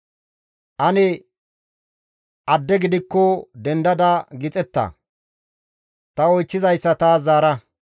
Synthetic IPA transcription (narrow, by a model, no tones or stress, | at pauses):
ʔɐnɛ | ʔɐd̪ːɛɡɪd̪ɪkːɔd̪ɛnd̪ɐd̪ɐɡɪt͡sʼɛt̪ːɐ̰ | t̪ɐɔjt͡ʃːɪzɐjsːɐt̪aːaːɾɐ